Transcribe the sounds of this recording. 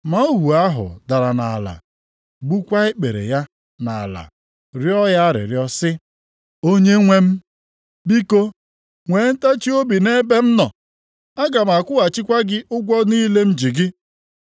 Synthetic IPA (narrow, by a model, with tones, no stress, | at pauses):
ma˨o˦ɦu˨a˦ɦʊ̰˨da˨ɾa˨na˨la̰˨ | ɡ͡bu˦kʷa˦ɪ˦k͡pe˨ɾḛ˨ja˦ | na˨la̰˨ | ɾjɔ˦ja˦ɾɪ̰˨ɾjɔ˦sɪ˦ | o˦ɲe˦ŋʷe˦m̩˦ | bi˦ko˦ | ŋʷe˨˦n̩˦ta˦t͡ʃi˦o˦bi˨ne˦be˦m̩˦nɔ˨ | a˦ɡa˨m̩˨a˨kʷʊ˦a˨t͡ʃɪ˦kʷa˦ɡɪ˦ʔʊ˦ɡʷɔ˦ni˦le˦m̩˦d͡ʒi˨ɡɪ˦